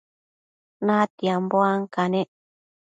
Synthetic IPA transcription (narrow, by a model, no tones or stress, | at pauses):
nãt̪iamboaŋkaneʔ